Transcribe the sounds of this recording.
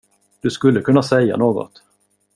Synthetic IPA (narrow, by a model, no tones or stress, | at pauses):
d̪̥ɵskɵlːəkʰɵnːasɛjːa̰noːɡɔ̰t̪